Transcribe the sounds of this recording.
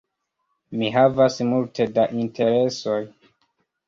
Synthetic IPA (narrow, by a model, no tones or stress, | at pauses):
miɦavasmultʰe̞daʔintʰe̞ɾe̞so̞j